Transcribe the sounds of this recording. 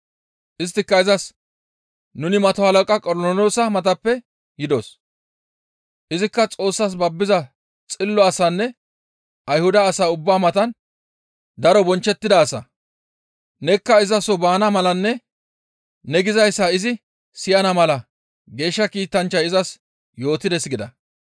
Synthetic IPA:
ʔɪst̪ːɪkːɐɪzɐs | nʊnɪmɐt̪ɔhɐlɐkʼɐkʼɔɾɔlɔnoːsɐmɐt̪ɐpːɛ | jɪd̪o̰s | ʔɪzɪkːɐt͡sʼo̞ːsːaːs̬bɐbːɪzɐ | t͡sʼɪlːɔɐsɐnːɛ | ʔɐjhʊd̪ɐːsaːʊbːaːmɐt̪ɐn | d̪ɐɾɔbɔnt͡ʃːɛt̪ːɪd̪ɐːsɐ̰ | nɛkːɐɪzɐsɔbaːnɐmɐlɐnːɛ | nɛɡɪzɐjsːɐɪzɪ | sɪjɐnɐmɐlɐ | ɡe̞ːʃːɐkiːt̪ɐnt͡ʃːɐjɪzɐs | jo̞ːt̪ɪd̪ɛsɡɪd̪ɐ̰

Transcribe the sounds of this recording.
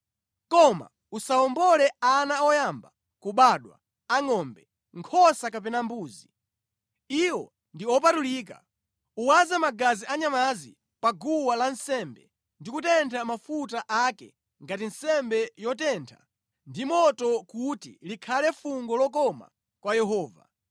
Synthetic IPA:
kɔma̰ | usaɔmbɔlɛanaɔjamba | kuɓaɗwa̰ | aŋɔmbɛ | ŋkʰɔsakap̬ɛnambuːzi | iwɔ | ndiɔp̬atuliːk̬a̰ | uwazamaɡaziʔaɲamazi | paɡuwalansɛmbɛ̰ | ndikutɛntʰamafutaʔakɛ̰ | ŋɡatin̩sɛmbɛjɔtɛntʰa̰ | ndimɔtɔkutḭlikʰalɛfuŋɡɔlɔkɔma̰ | kwajɛɦɔːva̰

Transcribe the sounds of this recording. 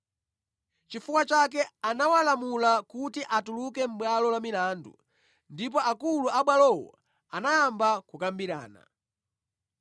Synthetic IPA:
t͡ʃifukwat͡ʃak̬ɛanawalamulakutiʔatulukɛm̩ɓwalɔlamilaːndṵ | ndip̬ɔakuluaɓwalɔwɔ̰ | anajambakukambiɾa̰ːna̰

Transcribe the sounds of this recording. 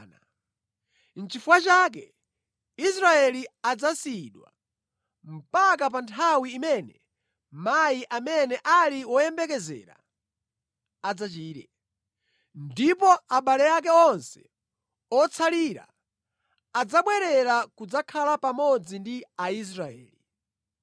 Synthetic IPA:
na | n̩t͡ʃifuwat͡ʃaːk̬ɛ | is̬ɾaɛliad͡zasiɗwa̰ | m̩pakap̬antʰawiːmɛnɛ | majiʔamɛnɛʔaliwɔjɛmbɛkɛzɛ̰ːɾa̰ | ad͡zat͡ʃiːtɛ | ndipɔaɓalɛjak̬ɛɔnsɛ̥ | ɔt͡sʰaliːɾa̰ | ad͡zaɓwɛɾɛɾakud͡zakʰalapamɔd͡zindiais̬ɾaɛ̰ːli

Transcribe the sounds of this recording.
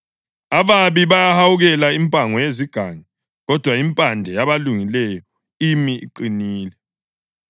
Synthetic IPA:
aβaβiβajahawuɣɛlaimpʼaŋɔjeziɡ̥ʱaŋɛ | ɣɔd̥ʱwaimpʼandʱɛjaβaluŋilɛjɔ | imiḭǃiniːlɛ

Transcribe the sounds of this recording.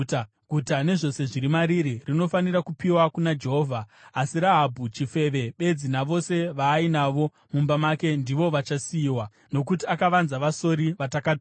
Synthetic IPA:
ɡʱutane̞ʐo̞se̞ʐiɾimaɾiɾirino̞fanirakupiwakunad͡ʒe̞ɦo̞vʱaːsiɾaɦabʱut͡ʃife̞ʋe̞ɓe̞d͡zinaʋo̞se̞ʋaːinaʋo̞ | mumbamake̞ndiʋo̞ʋat͡ʃasiːwa | no̞kutiakaʋanzaʋaso̞ɾiʋatakat

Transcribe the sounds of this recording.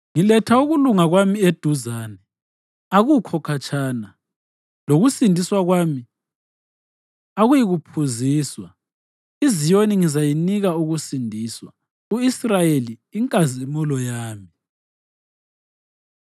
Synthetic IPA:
ŋilɛtʰauɣuluŋaɣwamied̥ʱuzaːnɛ | aɣukʰɔkʰat͡ʃʼaːna | loɣusindʱiswaɣwaːmi | aɣujiɣupʰuziːswa | izijoniŋizajiniɣauɣusindʱiːswa | uisrajeliːŋkʼazimulɔjaːmi

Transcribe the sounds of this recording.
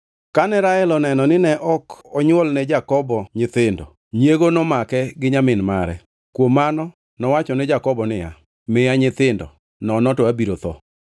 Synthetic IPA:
kanɛɾaɛlɔnɛnɔnɪnɛʔɔkɔɲwolnɛd͡ʒakɔbɔɲɪt̪ɪndɔ | ɲjeɡonɔmakɛɡɪɲamɪnmaɾɛ̰ | kwomːanɔ | nɔwat͡ʃɔnɛd͡ʒakɔbɔnɪja̰ | mɪjaɲɪt̪ɪndɔ̰ | nɔnɔtɔabiɾot̪ɔ̰

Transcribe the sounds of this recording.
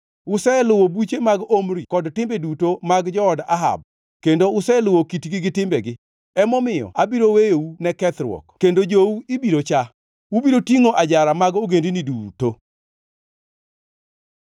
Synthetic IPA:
ʊsɛlʊwobut͡ʃemaɡomɾikɔdtɪmbedutomaɡd͡ʒɔːdaɦa̰b̚ | kendoʊsɛlʊwokitɡɪɡɪtɪmbɛɡɪ | ɛmɔmɪjɔ̰abiɾowejounɛkɛt̪ɾwɔ̰kkendod͡ʒouibiɾot͡ʃa | ubiɾotiŋoʔad͡ʒaɾamaɡoɡendiniduto

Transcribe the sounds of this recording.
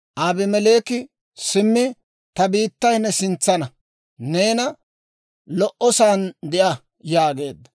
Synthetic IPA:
ʔaːbɪmɛle̞ːkɪ | sɪmːɪ | t̪ɐbiːt̪ːɐjnːɛsɪnt͡sːɐnɐ | ne̞ːnɐ | lɔʔɔsaːnd̪ɛʔɐ | jaːɡe̞ːd̪ːɐ̥

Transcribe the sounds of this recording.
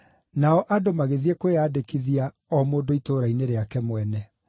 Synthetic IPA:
naɔʔadomaɣeðiɛkoweaːdekiðia | ɔmoːndoitoɾaineɾeakɛmwɛnɛ

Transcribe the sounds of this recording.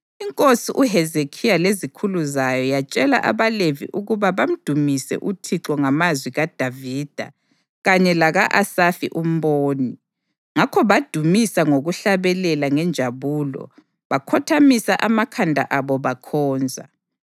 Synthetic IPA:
iŋkʼosiʔuɦɛzekʰijalezikʰuluzajɔjat͡ʃʼɛla̰ʔa̰βalevḭʔuɣuβaβam̩d̥ʱumisɛ̰ʔutʰiǁɔŋamazwiɣad̥ʱaviːd̥ʱa̰ | ɣaɲɛlaɣaʔasafḭʔum̩βoːni | ŋakʰɔβad̥ʱumisaŋoɣuɬaβɛlɛlaŋɛnd͡ʒʱaβuːlɔ̰ | βakʰɔtʰamisaʔamakʰandʱa̰ʔaβɔβakʰɔːnd͡zʱa̰

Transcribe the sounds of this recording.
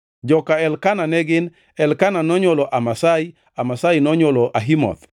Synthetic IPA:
d͡ʒɔkaɛlkananɛɡɪn | ɛlkananɔɲolɔʔamasai | amasainɔɲwolɔʔaɦimɔ̰t̪

